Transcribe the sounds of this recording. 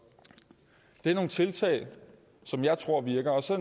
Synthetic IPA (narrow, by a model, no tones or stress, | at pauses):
d̥e̝æɐno̝ːn̩t͡sʰe̝lt͡sʰɛ̰ːɪ | sɒ̽mjɑ̈ɪt͡sʰʁo̝ɐ̰ʋiɐɡ̥ɐɒ̽sɒ̽